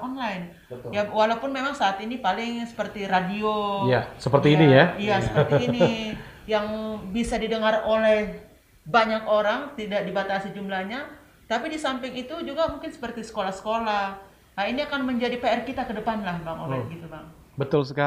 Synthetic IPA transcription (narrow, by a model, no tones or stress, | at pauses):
ɔnlaɪn | əjawalaupʊnmemaŋsaːt̪inipalɪŋsə̥pərt̪iradiojasəpərt̪iːnijaijasə̥pət̪ːni | jaŋbisadidəŋarolɛh | baɲakoɾaŋt̪idakdibat̪asid͡ʒumlahɲa | t̪apidisampɪŋit̪ud͡ʒuɡamuŋkɪnsə̥pərt̪isə̥kolahsə̥kolah | ainiakanməɲd͡ʒadipeɛrkit̪akədəpanlahbaŋo̰nlanɡit̪ubaŋ | bət̪ʊlsəka